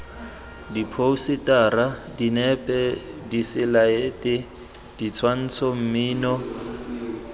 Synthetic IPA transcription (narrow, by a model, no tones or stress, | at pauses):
dipʰousɪtʼaradinɛpʼɛdisɪlaeːtʼɪ | d̥it͡sʰwan̩t͡sʰɔm̩miːnɔ